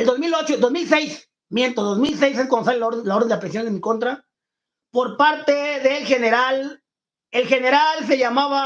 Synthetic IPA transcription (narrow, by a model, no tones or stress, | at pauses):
eld̪o̞zmilot͡ʃod̪o̞zmilsejs | mje̞nt̪oðo̞zmilsejseskond̪osaleoɾenlao̞ɾðenepɾesjo̞nenmiko̞nt̪ɾa | po̞ɾpaɾt̪eðelxe̞ne̞ɾal | elxe̞ne̞ɾals̬e̞ʝamaβa